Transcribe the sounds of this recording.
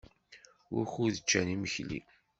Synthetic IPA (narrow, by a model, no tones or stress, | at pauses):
wʊ̰xuðət͡ʃːæniməçlḭ